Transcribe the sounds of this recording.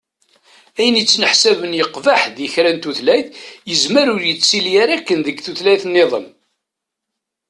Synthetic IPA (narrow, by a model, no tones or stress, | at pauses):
æjənjət͡sːnəħsævənjəqːvaħðjəçɾænt̪uθlæjθjəzməɾʊɾjət͡sːiljaɾækːənðəɡθuθlæjθnːeðˤə̰m